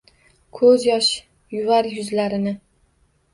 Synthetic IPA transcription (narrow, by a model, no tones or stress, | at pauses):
kʰɵzjɒʃ | jʊvaɾjʊzlaɾɪnɪ